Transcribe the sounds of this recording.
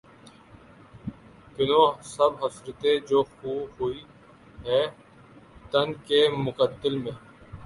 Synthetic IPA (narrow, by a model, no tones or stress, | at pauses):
k̪ɪnõːsəbɦəsɾət̪ed͡ʒoːxuːɦuiː | ɦɛː | t̪ənkeːmʊkət̪ːɪlmẽː